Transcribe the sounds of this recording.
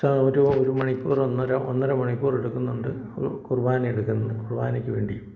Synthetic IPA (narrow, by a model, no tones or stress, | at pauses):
aoɾuoɾumɐɳipʲːuːronːɐɾɐonːɐɾɐmɐɳipːuːreɽukːunːuɳɖɨukurbaːnɐmeɽukːunːɐɨkurba̰ːnɐkʲːɨʋe̞ːɳɖiju